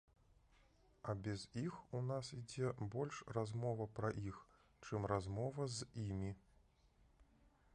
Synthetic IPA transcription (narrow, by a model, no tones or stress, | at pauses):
ɐbʲɛzixunasid͡zʲɛbɔlʲʂrazmɔvɐpɾɐʔix | t͡ʂɨmrazmɔvɐzimʲi